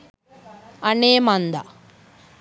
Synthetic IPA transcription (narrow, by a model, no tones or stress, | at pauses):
ɐneːmɐnd̪a̰